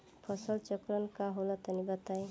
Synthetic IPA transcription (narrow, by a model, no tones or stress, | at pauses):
pʰɔsɔlt͡ʃɔkɾɔnkaɦolat̪anibat̪aj